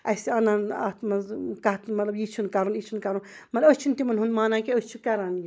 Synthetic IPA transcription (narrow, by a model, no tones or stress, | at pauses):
ɐsiaːnaːna̰ːt̪mɐzkaɦt̪nmɐt̪lɐbjit͡ʃʰunkaɾunjit͡ʃʰunkaɾunmɐt̪lbəsʲt͡ʃʰunt̪imɐnɦunmaːnakeost͡ʃʰukɐɾaːnji